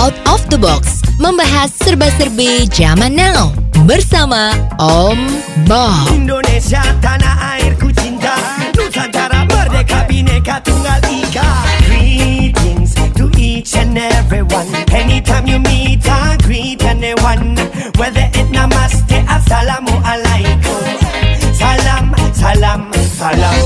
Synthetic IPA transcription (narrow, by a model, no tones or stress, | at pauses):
awt̪ɔfd̪əbɔksmə̃mbaɦasːərbəsəɾbed͡ʒamãnawbəɾsamaɔm | bɔindonesiat̪anaʔairkut͡ʃint̪a | nusat̪aɾabəɾd̪ekabinekat̪uŋɡalikaɡɾitĩŋstuʔit͡ʃɛnɛviwãnhɛnit̪ʰãmjumit̪aɡɾi | tɛ̃nɛwan | wɛðəʔɪtnamast̪eʔasalamoʔalajkʰo | salamsalamsala